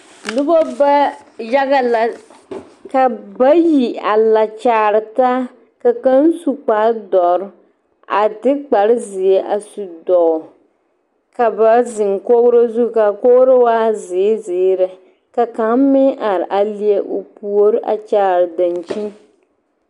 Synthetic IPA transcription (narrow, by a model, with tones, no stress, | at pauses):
nʊ˦bɔ˦ba˦ | ja˦ɡa˨la˨ | ka˨ba˦ji˨a˨la˨t͡ʃaː˨˦ɾɨ˨ta˦ | ka˨ka˦n˦su˨k͡paː˦dɔ˨ɾ | a˨tɪ˦k͡pa˨ɾɪ˦zɪ˨e˦ʔa̰˨su˨dɔ˨ | ka˨ba˨zɪ˨ŋko˦ɾo˦zu˦ka˨ko˦ɾo˦waː˦zɪː˨˦zɪː˨˦ɾɨ˨ | ka˨ka˨˦m˦mɪ˦ʔa˨ɾɪ˨ʔa˨li˦e˦ʔo˨pu˨˦o˦ɾʔa̰˨t͡ʃaː˦ɾɨ˨da˨nt͡ʃi˦n